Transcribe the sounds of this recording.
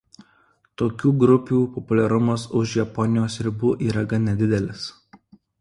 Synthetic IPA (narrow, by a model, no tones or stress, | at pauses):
t̪oːkʲuːɡɾʊpʲuːpɔpʊlʲɛɾʊmɐsʊʃjɛpɔnʲɪjoːsɪɾʲbuːʔiːɾɐɡɐnʲɛd̪ʲɪd̪ʲɛlʲɪs